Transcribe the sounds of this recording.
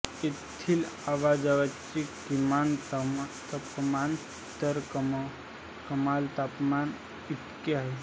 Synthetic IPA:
et̪ʰːilaʋad͡ʒaʋat͡ʃikimantt̪əpman | t̪əɾ | kəmalt̪apman | it̪keaɦe

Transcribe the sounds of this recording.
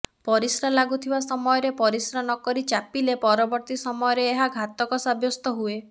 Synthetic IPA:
pɔɾisɾalaɡut̪ʰibasɔmɔjɔɾepɔɾisɾanɔkɔɾit͡ʃapilepɔɾɔbɔɾt̪isɔmɔjɔɾeːɦaɡʱat̪ɔkɔsabʱjɔst̪ɔɦue

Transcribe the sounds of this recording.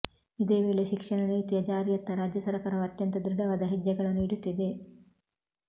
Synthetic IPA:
id̪e̞ːʋeːɭeʃikʂɐɳɐniːt̪ijɐd͡ʒaːɾijɐt̪ːɐɾaːd͡ʒjɐsɐɾɐkɐɾɐʋɐt̪jɐnt̪ɐd̪ɾɪɖɐʋaːd̪ɐɦid͡ʒjɐɡɐɭɐnːuiɽut̪ːid̪e̞

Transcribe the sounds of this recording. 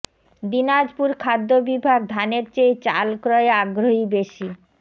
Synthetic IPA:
d̪inad͡ʑpuɾkʰad̪ːobibʱaɡ̚d̪ʱaneɾt͡ɕejt͡ɕa̰lkɾɔeaɡɾoɦibeʃi

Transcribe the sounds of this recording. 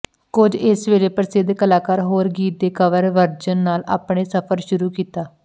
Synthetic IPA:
kʊd͡ʒɪsʋeːleːpəɾsɪd̪kəlaːkaːɾɦoːɾɡiːt̪̚d̪eːkəʋəɾʋəɾd͡ʒənːaːla̰ːpɳeːsəpʰəɾʃʊɾuːkiːt̪aː

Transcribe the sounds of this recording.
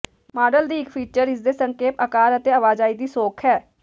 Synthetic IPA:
maːɖəld̪iːɪkpʰiːt͡ʃəɾɪs̬d̪esə̃ŋkeːpəkaːɾət̪eəʋaːd͡ʒaːid̪iːsoːkʰɦɛː

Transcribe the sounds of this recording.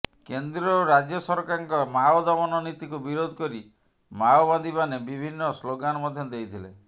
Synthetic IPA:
kend̪ɾɔɾad͡ʒjɔsɔɾkaɾɔŋkɔmaɔd̪ɔmɔnɔnit̪ikubiɾod̪ʱɔkɔɾi | maoband̪ibanebibʱinːɔsloɡanɔmɔd̪ʱjɔd̪ejt̪ʰile

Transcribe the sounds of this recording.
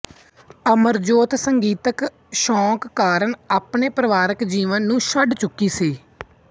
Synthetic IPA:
əməɾd͡ʒoːt̪səŋɡiːt̪ək | ʃɔ̃ːkːaːɾəɳaːpɳeːpɾəʋaːɾəkd͡ʒiːʋənːũːʃəɖt͡ʃʊkːiːsiː

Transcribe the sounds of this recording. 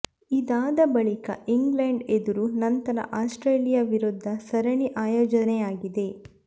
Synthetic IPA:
id̪aːd̪ɐbɐɭikɐ̰iŋɡleɳɖed̪uɾunɐnt̪ɐɾɐ̰ʔaːsʈɾeːlijɐʋiɾud̪ʱːɐsɐɾɐɳiʔaːjoːd͡ʒɐnɛjaːɡid̪e̞

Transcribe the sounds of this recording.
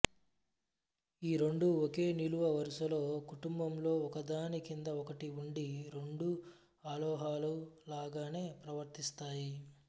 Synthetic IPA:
iːɾeɳɖuokeːniluʋɐʋɐɾiʃɐlo̞ːkuʈumbɐmlo̞ːɔkɐd̪aːnikind̪ɐɔkɐʈiuɳɖiɾe̞ɳɖu | aːlɔːɦaːlulaːɡaːne̞ːpɾɐʋɐɾt̪ist̪aːji

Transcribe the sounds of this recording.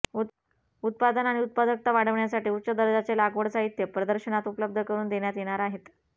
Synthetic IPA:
ut̪̚pad̪ənaɽ̃iut̪̚pad̪ək̚t̪aʋaɽ̤əʋɳjasaʈiːutːt͡ɕəd̪əɾd͡zat͡selaɡʋəɽsaɦit̪jəpɾəd̪əɾɕənat̪upələb̚d̪ʱəkəɾuːnd̪eɳjat̪jeɽ̃aɾaɦet̪

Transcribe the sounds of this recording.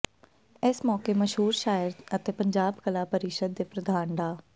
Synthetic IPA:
ɪsmɔːkeːməʃɦuːɾʃaːəɾət̪eːpəɲd͡ʒaːbkəlaːpəɾɪʃəd̪̚ːeːpɾəd̪aːnɖ̪aː

